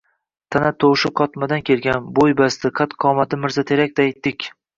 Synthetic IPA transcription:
t̪ʰanat̪ʰowʃɪqʰɒt̪mad̪ankʲʰelɡʲanbojbasd̪ɪqʰɑt̪qʰɒmat̪ɪmɪɾzat̪ʰe̞ɾak̚ʲd̪ɪajt̪ːɪkʲ

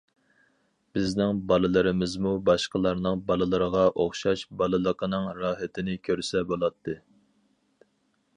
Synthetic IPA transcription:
b̥ɪznɪŋbɑlˠɨlˠɨɾɨmɪzmubɑʃqəlˠɑɾnɨŋbɑlˠɨlˠɨɾəʁɑʔoχʃɑʃbɑlˠɨlˠəqʰənɨŋɾɑːɦɛt̪ʰɪnɪkʲʰøɾsɛbolˠɑt̪ʰːɨ

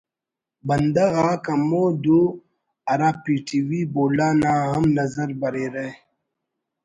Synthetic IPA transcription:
bɐnd̪ɐɣakɐmod̪u | ɐɾapiʈiwiboːlaːnaːɦɐmnɐzəɾbɐɾeɾe

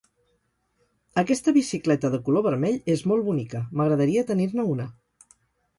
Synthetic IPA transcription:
əkɛst̪əβisiklɛt̪əðəkuloβ̞əɾmɛʎezmolˠβunikəməɣɾəðəɾiət̪əniɾnəunə

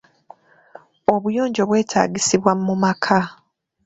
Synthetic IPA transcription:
o̞βujo̞ːɲɟo̞βwe̞ːtʰa̰ːɡisiβwamːumakʰa

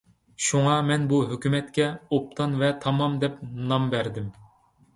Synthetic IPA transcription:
ʃuŋɑmɛnbuɦøkʲymɛt̪kʲɛop̚t̪ʰɑnvɛt̪ʰɑmɑmd̪ɛp̚nɑmbæɾd̪ɪm

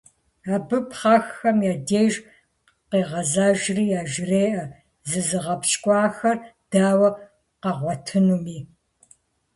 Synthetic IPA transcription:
aːbɨpχɑxːɐmjaːdeːʒ | qeːʁɐzaːʒriːaːʒreːʔɐ | zɨzɨʁɐpʃkʷʼɑːxɐrd̥aːwɐ | qɐʁʷɔtʰɨnumiː

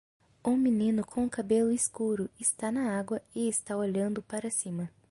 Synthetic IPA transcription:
ũminĩnʊkʰõũkabelʊɪskuɾʊɪst̪anɐaɡwɐɪɪst̪aoʎɐ̃nd̪ʊpaɾɐsĩmɐ

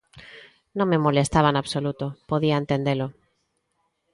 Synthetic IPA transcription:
nõŋmemolest̪aβ̞anaβsolut̪ʊpoðiaent̪end̪elʊ

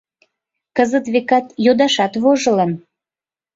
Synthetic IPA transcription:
kəzət̪βekɑt̪jod̪ɑʃɑt̪βoʒə̆lən

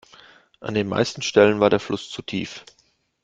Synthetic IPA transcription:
ʔa̰ndeːnma̰ɪstn̩ʃtɛlənvaːɐdeːɐflʊst͡sutʰiːf

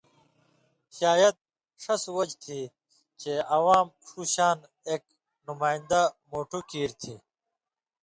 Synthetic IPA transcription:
ɕaːjɐd̪̚ | ʂɐswɐd͡ʑt̪ʰi | t͡ɕeɐwaːmʂuːɕaːn | eːk̚ | numaːind̪amoːʈukiːɾt̪ʰi

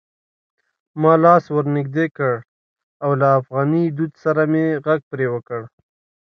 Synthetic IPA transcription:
mɑlɑswəɾnɪɡd̪ekəɽ | awlaːfɣɑnid̪ud̪saɾameɣaɡ̚pɾewəkəɽ

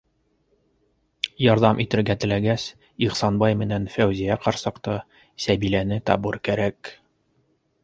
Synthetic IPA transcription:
jɒɾðɑmʔit̪ɘ̆ɾɡæt̪ɘ̆læɡæs | iʁsɑnbɑjmɘ̆nænfæwzijæqɑɾsɤ̆qt̪ɤ | sæbilænɘt̪ɒ̰bɤɾkæɾæk

